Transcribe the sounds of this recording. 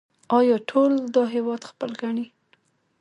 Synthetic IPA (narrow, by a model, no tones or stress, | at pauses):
ɑjɑʈʰold̪ɑɦewɑd̪xpəlɡaɳi